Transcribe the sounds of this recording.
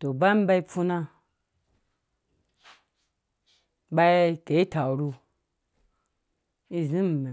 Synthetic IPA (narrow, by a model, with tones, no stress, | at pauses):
to˨ba˦m˦ba˧i˦fu˧na˧ | ɓa˧˦ke˨i˦ta˨ɾu˧ | i˦zi˦m˨me˨